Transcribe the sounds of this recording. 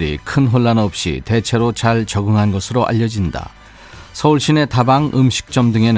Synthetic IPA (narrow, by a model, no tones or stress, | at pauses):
ɾḭkʰɯnɦoɭːanʌp̚ɕ͈ḭte̞t͡ɕʰe̞ɾot͡ɕaɭt͡ɕʌɡɯŋɦanɡʌsʰɯɾoʔa̰ʎːʌd͡ʑinda̰ | sʰʌuɭɕ͈ine̞tabaŋɯmɕʰi̥k̚t͡ɕ͈ʌmdɯŋe̞nɯ